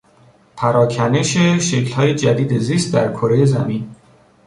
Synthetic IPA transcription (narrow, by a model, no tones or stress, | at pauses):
pʰæɾɒːkʰæne̞ʃeʃe̞clhɒːje̞d͡ʒæd̪iːd̪e̞ziːst̪̚d̪æɾkʰo̞ɾejezæ̰min